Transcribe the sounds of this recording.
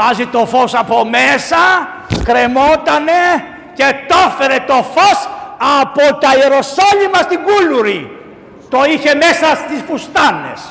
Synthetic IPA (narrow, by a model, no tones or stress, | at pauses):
ɐzit̪o̞fo̞sɐpo̞mesɐ | kɾe̞mo̞t̪ɐne̞ | ce̞t̪o̞fe̞ɾe̞t̪o̞fo̞sɐpot̪ɐiɾo̞soʎimɐst̪iŋɡuluɾi | t̪o̞içe̞mesɐst̪isfust̪ɐne̞̰s